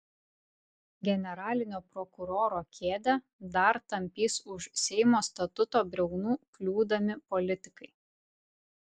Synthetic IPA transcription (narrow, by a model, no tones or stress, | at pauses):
ɡʲɛnʲɛɾɑːlʲɪnʲoːpɾɔkʊɾoːɾoːkʲʰeːd̪ʲɛ | d̪ɐɾt̪ɐmʲpʲiːsʊʃsʲɛɪmoːst̪ɐt̪ʊt̪oːbʲɾʲɛʊnuːklʲuːd̪ɐmʲɪpɔlʲɪt̪ʲɪkɐɪ